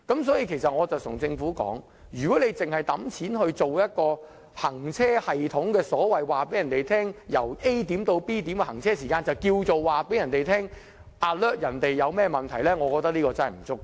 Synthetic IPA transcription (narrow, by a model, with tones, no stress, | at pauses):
kɐ˨˥ms̬ɔː˨˥jiː˧kʰe˨˩sɐ˨t̚ŋɔː˨˧t͡sɐ˨wt̪ʰʊ˨˩ŋt͡sɪ˧ŋfuː˨˥kɔ̰ː˨˥ŋ | jyː˨kɔː˨˥ne˨˧jt͡sɪ˨ŋhɐ˨jt̪ɐ˨˥mt͡sʰiː˨˥nhɵ˧ɥt͡so˨wjɐ˥t̚kɔː˧ | hɐ˨˩ŋt͡sʰɛː˥hɐ˨jt̪ʰʊ˨˥ŋkɛː˧sɔː˨˥wɐ˨jwaː˨pe˨˥jɐ˨nt̪e˨jt̪ʰɛː˥ŋjɐ̰˨˩wʔe˥jt̪iː˨˥mt̪o˧wpiː˥t̪iː˨˥mkɛ˧hɐ˨˩ŋt͡sʰɛː˥siː˨˩kaː˧nt͡sɐ˨wkiː˧wt͡so˨wwaː˨pe˨˥jɐ˨˩nt̪e˨jt̪ʰɛː˥ŋ | ʔa˨tlœː˥t̚jɐ˨˩nt̪e˨jːɐ˨˧wmɛː˥mɐ˨nt̪ʰɐ˨˩jlɛː˥ŋɔː˨˧kɔː˧t̪ɐ˥k̚liː˥kɔː˧t͡sɐ˥nhɐ˨˩m̩˨˩t͡sʊ˥k̚ː